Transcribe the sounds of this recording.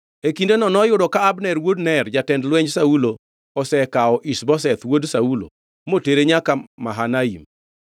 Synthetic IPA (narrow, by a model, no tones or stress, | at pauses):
ekindenɔnɔjʊdɔkaːbnɛɾwodnɛrd͡ʒatɛndlwɛɲsaulo | ɔsɛkaɔʔisbɔs̬ɛt̪wodsaulo̰ | moteɾeɲakamaɦanaim